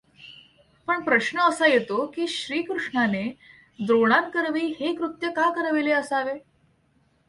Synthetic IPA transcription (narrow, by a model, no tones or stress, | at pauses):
pəɳpɾəɕɳəəsajet̪okiːɕɾiːkɾuʂɳane | d̪ɾoɽ̃ankəɾʋiːhekɾut̪jəkakəɾʋileəsaʋe